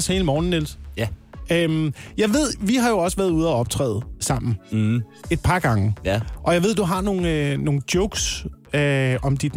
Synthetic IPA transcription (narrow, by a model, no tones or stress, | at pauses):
she̝ːləmɒːn̩ːels | ømjɑ̈ɪʋe̝ð̞̰ˠʋiɦɑ̈jo̝ɒ̽səʋæɐð̞ˠuð̞ˠɐɒ̽b̥̚t͡sʰʁɛ̰ːð̩ˠsɑ̈m̰n̩ | e̝d̥̚pʰɑ̈ɡ̥ɑ̈ŋəʔɒ̽jɑ̈ɪe̝ð̞̰ˠd̥uɦɑ̈no̝ːn̩no̝ːn̩d̥jɔʊɡ̥søɒ̽md̥id̥